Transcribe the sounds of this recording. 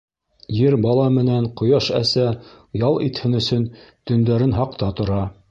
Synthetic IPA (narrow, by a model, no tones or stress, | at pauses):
jɘɾbɑlˠɑmɘ̆næɴqŏjɑʃæsæ | jɑlˠit̪hɘnɵ̆sɵnt̪ɵ̆nd̪æɾɘnɦɑqt̪ɑt̪ŏɾɑ